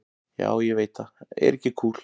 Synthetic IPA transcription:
ja̰ːwjɛveːjt̪ːaɛ̰ɾɛhcːɪkʰuːl̥

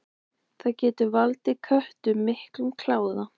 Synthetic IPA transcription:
θaðcɛːt̪ʏvalt̪ɪkʰœht̪ʏmɪhklʏmkʰlaːwða

